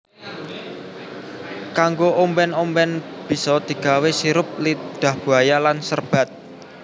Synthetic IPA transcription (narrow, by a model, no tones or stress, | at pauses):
kaŋɡoʔombɛnombɛnb̥i̤sɔd̪̥i̤ɡ̥a̤wesiɾʊp̚lid̪̥ä̤hb̥ṳɦajalansərb̥a̤t̪̚